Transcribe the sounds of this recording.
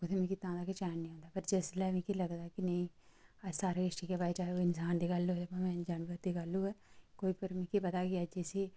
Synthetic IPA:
kʊt̪ʰeːmɛ̃ːkɪt̪ãːd̪aːkɪt͡ʃɛːnnĩɦõːnd̪aːpəɾd͡ʒeːslɛːʋẽːkiːləɡd̪aːkɪnəĩːsaːɾeɪʈikebaet͡ʃaːeoːɪnsaːnd̪iːɡəloeãmɛ̃ːd͡ʒaːnʋət̪d̪iːɡəluːɛːkoːiːpəɾmɛ̃ːkiːpət̪aːkiəd͡ʒisiː

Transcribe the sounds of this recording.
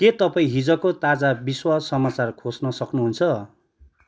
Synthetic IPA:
ket̪ʌpaĩɦid͡zʌkot̪ad͡zabiswasʌmat͡sarkʰosnʌsʌknuɦunt͡sʰʌ

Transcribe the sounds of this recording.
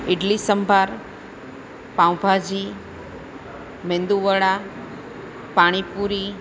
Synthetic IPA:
ɪɖlisəmbʱaɾ | pãw̃bʱad͡ʒi | mẽnd̪uʋəɽa | paɽ̃ipuɾi

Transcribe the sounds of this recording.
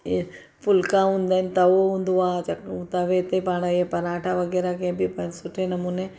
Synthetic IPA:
pʰʊlkãɦũːnd̪aːnt̪ɐʋoɦũːnd̪uaːt͡ʃɐkt̪aʋet̪epaːɽ̃ajepɐɾaːʈʰaʋɐɡɛːɾakebʱipɐsʊʈʰenɐmuːne

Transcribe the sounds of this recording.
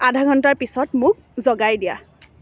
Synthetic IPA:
adʱaɡʱɔntaɹpisɔtmʊk̚ | zɔɡajdija̰

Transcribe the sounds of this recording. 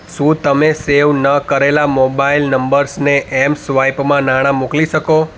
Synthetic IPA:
ʃũt̪əmeseʋnəkəɾelamobailnəmbəɾsneʔɛmsʋaipmãnaɽ̃ãmukliʃəko

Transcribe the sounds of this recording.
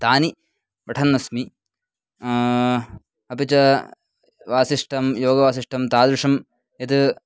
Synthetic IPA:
t̪aːni | pɐʈʰɐnːɐsmi | ɐpit͡ʃɐ | ʋaːsiʂʈɐmjoːɡɐʋaːsiʂʈɐmt̪aːd̪ɾuʂɐm | et̪ɨ

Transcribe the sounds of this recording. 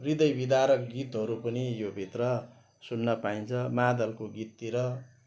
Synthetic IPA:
rid̪ʌjbid̪aɾʌkɡit̪ɦʌɾupʌnijobʱit̪rʌ | sunːʌpaint͡sʰʌmad̪ʌlkoɡit̪ːiɾʌ

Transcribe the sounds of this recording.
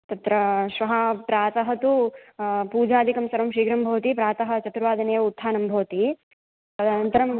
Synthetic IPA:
t̪ɐt̪ɾɐʃʋɐɦɐpɾaːt̪ɐɦɐt̪u | puːd͡ʒaːd̪ʱikɐmsɐɾɐmʃiːɡɾɐmbʱɐʋɐt̪ipɾaːt̪ɐɦɐ̆t͡ʃɐt̪ɾuʋaːd̪ɐnejɐut̪ʰːaːnɐmbʱɐʋɐt̪i | ɐd̪ʱanɐnt̪ɐɾɐm

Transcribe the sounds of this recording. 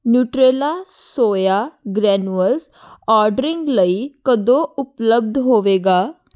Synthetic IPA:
njuʈɾelasojaɡɾɛnʋəls | ɔɾɖɾiŋɡləikəd̪oupləb̚d̪ʱɦoʋeɡa

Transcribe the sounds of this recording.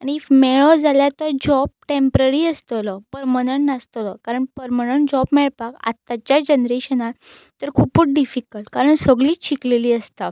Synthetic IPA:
añimɛɭɔd͡zaljat̪ɔd͡ʑɔb̚ʈẽmpɾəɾiːəst̪ɔlɔpəɾmənəɳʈnast̪ɔlɔkaɾəɳpəɾmənəɳʈd͡ʑɔbmɛɭpaka̰t̪ːat͡ɕjad͡ʑənɾeɕənat̪ | t̪əɾkʰupuːʈ̚ɖifikəlʈkaɾəɳsəɡɭiːɕikleliːəst̪a

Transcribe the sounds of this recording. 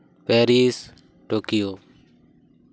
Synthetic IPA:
peːɾiːs | ʈoːkɪjoː

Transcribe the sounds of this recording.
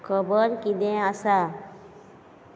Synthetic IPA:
kʰɔbɔɾkid̪ɛ̃asa

